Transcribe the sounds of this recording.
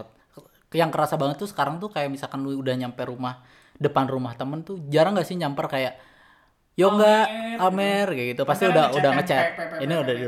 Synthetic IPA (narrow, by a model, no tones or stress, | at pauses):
t̪̚ | jaŋkəɾasabaŋət̪ːusə̥kaɾaŋt̪ukajaʔmisalkanluiudahɲampɛɾumah | dəpanrumaht̪əmənt̪ud͡ʒaɾaŋɡaʔsɪhɲampərkajaʔ | joɡaʔːmɛrɡaɡit̪upast̪iudaɦudahŋət͡ʃɛt̪̚iniuda